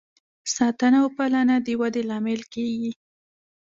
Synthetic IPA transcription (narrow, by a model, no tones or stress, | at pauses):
sɑt̪ənawpalanad̪əwad̪elɑmɪlkeɡi